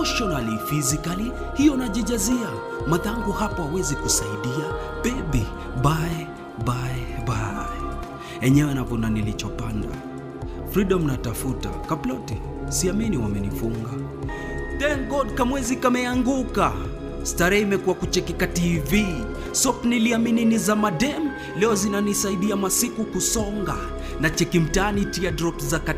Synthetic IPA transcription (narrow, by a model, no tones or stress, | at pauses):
ɔʃɔnalifizikali | hijɔnaʄɛd͡ʒazia | maðaŋɡuhapaawɛzikusaiɗia | bɛɓi | ɓaɛ | baɛbaɛ | ɛɲɛwɛnavɔnanilit͡ʃɔpanda̰ | fɾiɗɔmnatafuta̰kaplɔti | siaminiwamɛnifuŋɡa | tɛnɡɔd̚kamwɛzikamɛaŋɡuka | staɾɛimɛkuwakut͡ʃɛkikativi | sɔpniliamininizamadɛm | lɛɔzinanisaiɗiamasikukusɔŋɡa | nat͡ʃɛkim̩tanitiadɾɔkzaka